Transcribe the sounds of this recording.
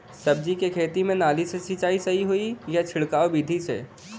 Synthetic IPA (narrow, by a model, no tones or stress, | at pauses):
sɐb̚d͡ʒikekʰeːt̪imẽnaːlisesit͡ʃaːisɐɦiɦoijat͡ʃʰɪɭkaːobiːd̪ʱisḛː